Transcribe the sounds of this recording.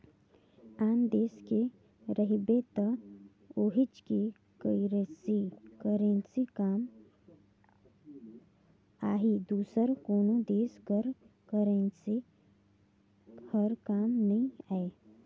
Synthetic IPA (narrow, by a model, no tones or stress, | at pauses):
aːnd̪eːske | ɾəɦibet̪ə | oːɦɪt͡ʃki | kəiɾesikəɾẽːnsikaːm | aːɦid̪uːsəɾkoːnod̪eːsɡəɾ | kəɾensi | həɾkaːmnɐɦĩaːe